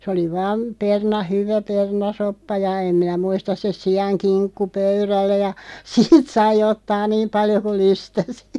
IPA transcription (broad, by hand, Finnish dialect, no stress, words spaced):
sĕ oli ʋɑːm pernɑ hyʋæ pernɑsopːɑ jɑ em minæ muistɑs se siɑŋkinkːu pøyrælːæ jɑ siːt sɑi otːɑː niːm pɑljo kul̆ lystæsi̥